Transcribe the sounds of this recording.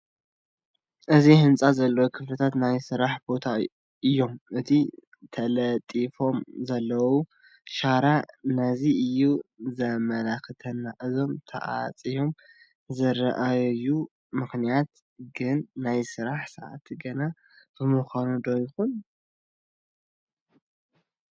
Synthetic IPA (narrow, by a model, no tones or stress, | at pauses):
ʔɨzihɨnt͡sʼazɐlːɐwokʰɨflɐt̪ʰat̪najsɨɾaħbo̞t̪ʰa | ɨjːo̞mʔɨt̪ʰi | t̪ʰɐlɐt̪ʼifo̞mzɐlːɐwu | ʃaɾanɐziʔɨjːuzɐmɐlaxɨt̪ʰɐnːaʔɨzo̞mt̪ʰɐ̰ʔa̰t͡sʼijo̞m | zɐɾɐʔajɐju | mɨxnijat̪ | ɡɨnːajsɨɾaħsɐʔa̰t̪ʰiɡɐna | b̥ɨmɨxanud̪ojɪxun